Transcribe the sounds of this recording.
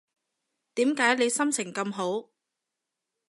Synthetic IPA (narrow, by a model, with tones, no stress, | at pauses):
t̪iː˨˥mkaː˨˥jle˨˧jsɐ˥mt͡sʰɪ˨˩ŋkɐ˧mɦo˨˥w